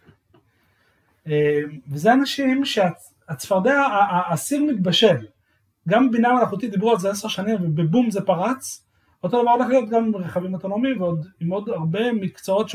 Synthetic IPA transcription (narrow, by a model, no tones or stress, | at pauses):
emvezeanaʃimʃea | at͡sfaʁd̪eaːsiʁmit̪̚baʃe̞l | ɡambinamanaχut̪id̪ibʁualzeaseʁʃanimvebebumze̞paʁat͡s | ot̪o̞d̪avaʁdlaχjot̪̚ɡamimʁeχavimot̪o̞no̞miimveo̞d̪imo̞d̪aʁbe̞mikt͡soo̞t̪ʃ